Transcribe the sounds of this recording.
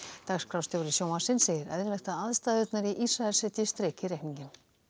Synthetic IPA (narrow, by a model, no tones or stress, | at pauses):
t̪akskɾawst̪jowɾɪsjoːwmasɪnseːjðɪɾɛ̰ðɾvɛjxt̪aaðst̪aːðœt̪naɾiʔisɾaɛlsɛt̪ɪst̪ɾeːcɪɾejkniɲcɪm